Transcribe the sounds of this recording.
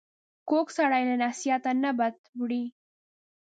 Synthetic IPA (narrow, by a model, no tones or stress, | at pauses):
koksaɽajlanasijat̪anabat̪bɽi